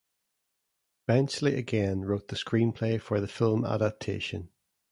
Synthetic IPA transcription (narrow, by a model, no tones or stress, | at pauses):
b̥ɛ̃nslˠiʔəɡɛ̃nɹoʔ̪̚ðəskɹĩnpʰl̥efə˞ðəfɪlˠma̰ɾap̚tʰḛʃə̃n